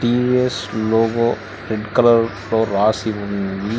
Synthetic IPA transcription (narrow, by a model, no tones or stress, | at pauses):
ʈiːesloːɡo | ɾeɖkɐlɐɾ | loːɾaːsiʋund̪i